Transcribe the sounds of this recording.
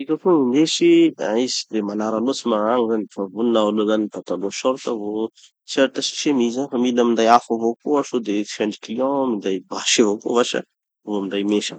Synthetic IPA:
ikʲafomind̪esiaizi̥d̪emanaɾalot͡simaaŋizanifavuninaalozanit̪at̪aloʃɔɾt̪əvo | t͡saɾt̪əʃi̥ʃemizafamilnamind̪ajafavokoaʃod̪efɛ̃ɳɖ͡ʐi̥kiliɔ̃mind̪ajbaʃavokovaʃə̰ | voamind̪ajmeʃə̰

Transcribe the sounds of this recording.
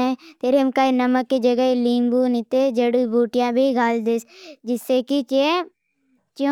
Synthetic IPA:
ɛ̃t̪eːɾemkaːenəməkːid͡ʒəɡəiliːmbuːnɪt̪ed͡ʒɐɽubʱuːʈɪjãbʱiɡʱaːld̪esd͡ʒɪsːekit͡ʃe | t͡ʃõ

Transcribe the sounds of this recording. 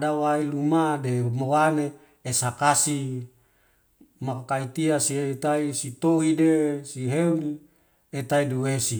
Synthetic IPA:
dawailumademowane | esakasi | maakait̪iasiet̪aisit̪oɦidesiɦeuni | et̪aiduwesi

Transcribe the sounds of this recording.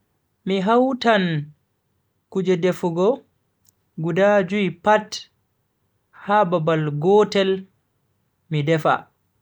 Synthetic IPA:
miɦawtan | kud͡ʒɛdɛfuɡɔ | ɡudad͡ʒuipat | hababalɡɔtɛl | midɛfa̰

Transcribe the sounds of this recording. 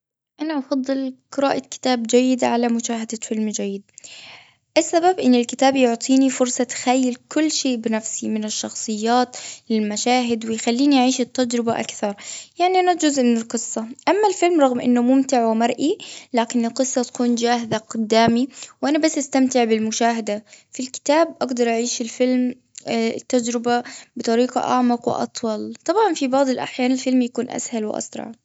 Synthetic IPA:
ʔanaʔɑfɑd̪ˤːɨlqɨɾa̰ːʔakɪ̥t̪aːbd͡ʒajːɪd̪ʕalamʊʃaːɦad̪afɪlmd͡ʒajːɪd̪̚ | ʔasːababʔɪnːɪlkɪt̪aːbjʊʕt̪ˤʰiːnifʊɾsˤɑt̪xajːɪlkʊlːʃeːʔbɪnafsimɪnɪʃːɑxsˤɨjːaːt̪lɪlmaʃaːɦɪd̪wɪjxalːiːniʔaʕiːʃɪt̪ːad͡ʒɾɪbaʔa̰kθɑɾˤjaʕniʔanad͡ʒʊzʔmɪnɪlqɨsˤːɑʔamːalfɪlmɾˤɑɣmʔɪ̰nːʊmʊmt̪ɪʕwɪmɑɾˤʔilaːkɪnɪlqɨsˤːɑt̪ḁkuːnd͡ʒaːɦɪzaqʊd̪ːaːmiwʔanabasːʔast̪amt̪ɪʕbɪlmʊʃaːɦad̪afilkɪ̥t̪aːb̚ʔɑɡd̪ɑɾˤʔaʕiːʃɪlfɪlm | t̪ːad͡ʒɾɪbabɨt̪ˤɑɾiːqɑ̰ʔɑʕmɑqwɪ̰ʔɑ̰t̪ˤwɑlt̪ˤɑbʕɑnfibɑʕd̪ˤɨlʔa̰ħjaːnɪlfɪlmjakuːnʔa̰shalwɪ̰ʔɑ̰sɾˤɑ̰ʕ

